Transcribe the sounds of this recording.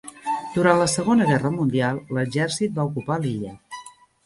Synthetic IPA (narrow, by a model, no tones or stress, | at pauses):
d̪̥uɾanləsəɣonəɣ̞ɛrəmund̪ialˠləɡʒɛrsit̪̚baukupaliʎə